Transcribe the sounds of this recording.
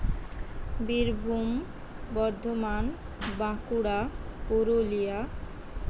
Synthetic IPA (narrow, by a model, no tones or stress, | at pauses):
biɾbʱum | bɔɾd̪ʱoman | bãkuɽakoɾolija